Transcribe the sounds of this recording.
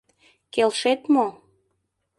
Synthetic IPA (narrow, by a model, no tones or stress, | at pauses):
kelʃet̪mo